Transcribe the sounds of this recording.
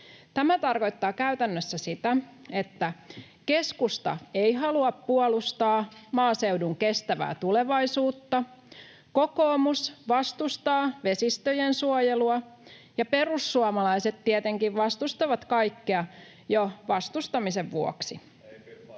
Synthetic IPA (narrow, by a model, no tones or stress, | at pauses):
t̪æmæt̪ɑrko̞jt̪ːɑːkæyt̪ænːøsːæsit̪æet̪ːæ | ke̞skust̪ɑ̰ejɦɑluɑppuolust̪ɑːmɑːseuwduŋkest̪æʋæ̰ːt̪ule̞ʋɑisuːt̪ːɑ | ko̞koːmusʋɑst̪ust̪ɑːʋe̞sist̪øjensuojeluɑ | jɑpe̞rusːuɑmɑlɑjse̞t̪tiet̪eŋkiʋʋɑst̪ust̪ɑʋɑt̪kɑjkːeɑ | joʋɑst̪ust̪ɑmise̞ʋʋuo̰ksi